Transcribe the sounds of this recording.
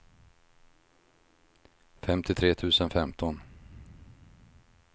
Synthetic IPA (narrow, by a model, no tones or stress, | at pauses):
fɛmt̪ɪt̪ʰɾeːt̪ʰʉ̟ːsənfɛmt̪ʰɔn